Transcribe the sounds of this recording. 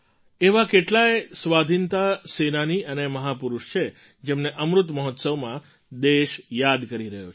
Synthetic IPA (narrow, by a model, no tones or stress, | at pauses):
eʋakeʈlaesʋad̪ʱint̪asenaniəneməɦapuɾuʃt͡ʃʰe | d͡ʒemneʔəmɾʊt̪məɦɔt̪səʋmã | d̪eʃjad̪kəɾiɾəɦjo